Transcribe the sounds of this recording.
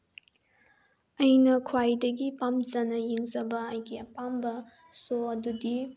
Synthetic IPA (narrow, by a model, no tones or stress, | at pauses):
ɐjnɐkʰwajdɐɡipamzɐnɐjiŋzɐbɐɐjɡiɐpambɐ | soɐdudi